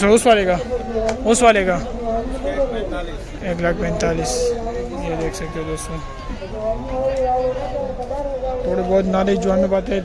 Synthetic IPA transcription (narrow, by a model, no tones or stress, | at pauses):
sʊswaːleɡaːʊsʋaːleɡaː | eːklak̚pɛ̃nt̪aːliːsjed̪eːkʰsɐk̚t̪eod̪oːst̪o | t̪oːɽebɔːt̪̬naːled͡ʒoamebaːt̪e